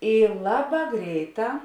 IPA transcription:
ˈiː ˈlˠɑːˌbɑː ˈɡrʲɛɪˌtɑː

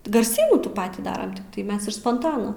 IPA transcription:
ɡɐrʲˈsʲiːnuː ˈtuː ˈpɑːtʲiː ˈdɑːrɐm tʲɪkˈtɐɪ ˈmʲɛs ɪʃ spoːnˈtoːnoː

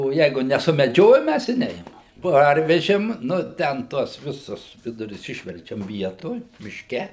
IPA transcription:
oː ˈjɛɪɡʊ nʲɛsʊmʲɛˈd͡ʒʲoːjoːm ˈmʲæs ɪ ˈnʲɛɪmɐm ˈpɐrʲʋʲɛʒʲeːm ˈnʊ ˈtʲɛn ˈtuɔs ˈʋʲɪsʊs ˈʋʲɪdʊrʲʊs ˈɪʃʲʋʲɛrʲt͡ʃʲɛm ˈʋʲiɛtoːj mʲɪʃʲˈkʲɛ

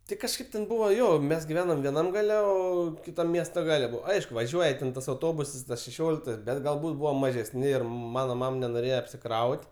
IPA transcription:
ˈtʲɪ kɐʃˈkɐɪp tʲɛn ˈbʊʋoː ˈjoː ˈmʲɛs ɡʲɪˈʋʲæːnoːm ʋʲiɛˈnɐm ˈɡɑːlʲɛ ˈoː kʲɪˈtɐm ˈmʲiɛstoː ˈɡɑːlʲɛ ˈbʊʋoː ˈɐɪʃkʊ ʋɐˈʒʲuɔjɛ tʲɛn tɐs ɐʊˈtoːbʊsɐs tɐs ʃʲɛˈʃʲoːlʲɪktɐs ˈbʲɛt ɡɐlˠˈbuːt ˈbʊʋoːm mɐʒʲɛsʲˈnʲɪ ˈɪr ˈmɑːnoː ˈmɐm nʲɛnoːˈrʲeːjɛ ɐpʲsʲɪˈkrɐʊtʲ

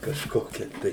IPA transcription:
kɐʃˈkoːkʲɛ tɐɪ

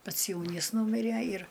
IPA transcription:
ˈpɐts ˈjɛʊnʲiːs ˈnuːmʲɪrʲæ ɪr

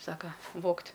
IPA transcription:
ˈsɑːkɐ ˈʋoːktʲ

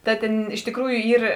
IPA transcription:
ˈtɐ tʲeːn ɪʃ tʲɪkˈruːjʊ ˈiːr

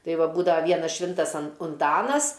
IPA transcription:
ˈtɐɪ ˈʋɐ ˈbuːdɐʋɐ ˈʋʲiɛnɐs ˈʃʲʋʲɪntɐs ɐn ʊnˈtɑːnɐs

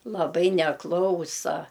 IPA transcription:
lˠɐˈbɐɪ nʲɛˈklˠɐʊsɐ

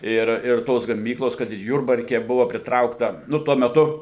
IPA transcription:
ˈɪr ɪr ˈtoːs ɡɐˈmʲiːklˠoːs kɐt ɪr ˈjʊrbɐrʲkʲɛ ˈbʊʋɐ pʲrʲɪtˈrɐʊktɐ ˈnʊ ˈtuɔ mʲɛˈtʊ

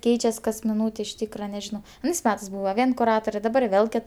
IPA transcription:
ˈkʲɛɪt͡ʃʲɛs kɐs mʲɪˈnuːtʲeː ɪʃ ˈtʲiːkrɐ nʲɛˈʒʲɪnoː ɐˈnɐɪs ˈmʲæːtɜs ˈbuːʋɐ ˈʋʲiɛn kʊˈrɑːtoːrʲɛ dɐˈbɐr ˈʋʲeːlˠ ˈkʲɪt

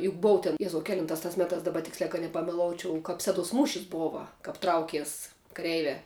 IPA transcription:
jʊk ˈboːʊ tʲɛn ˈjæːzɐʊ ˈkʲæːlʲɪntɑːs tɐs ˈmʲæːtɑːs ˈdɑːbɐ ˈtʲɪksʲlʲæː kɐt nʲɛpɐmʲɛˈlˠoːʊt͡ʃʲɛʊ kɐp ˈsʲæːˌduɔs ˈmuːʃʲɪs ˈboːʋɐ ˈkɐp ˈtrɐʊkʲiɛs kɐˈrʲɛɪʋʲæː

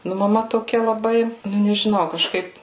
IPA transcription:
ˈnʊ mɐˈmɐ toːˈkʲɛ lˠɐˈbɐɪ ˈnʊ nʲɛʒʲɪˈnɐʊ kɐˈʃkɐɪp

